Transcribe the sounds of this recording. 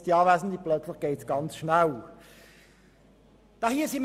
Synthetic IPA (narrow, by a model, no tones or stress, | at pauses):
d̥iɑːvaːsn̩d̪iplœt͡sləχɡ̥eɪtsɡ̥ɑnt͡sʃnaw | d̪̥ɑːhiəsim